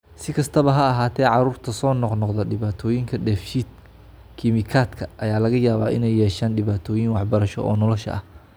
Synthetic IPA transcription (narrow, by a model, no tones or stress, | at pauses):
sɪkʰɐst̪ʰɐβɐɦɐɐɦaːt̪ʰɛːʕɑɾuːrt̪ʰɐsɔːnɔqnɔqðɐɖɪβaːt̪ʰɔːjɪŋkʰɐɖɛːfʃiːd̪̚ | kʰɪmɪkʰaːd̪kʰɐʔɐjaːlɐɣɐjaːβaːʔɪnɛjːɛːʃaːnɖɪβaːt̪ʰɔːjɪŋwɑħbɐɾɐʃɔ̰ʔɔ̰ːnɔlɔʃɐ̰ʔɐ̰h